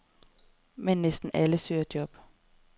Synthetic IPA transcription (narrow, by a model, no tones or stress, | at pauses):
mɛnnɛst̪n̩ʔɛləsøːd̥jɔb̥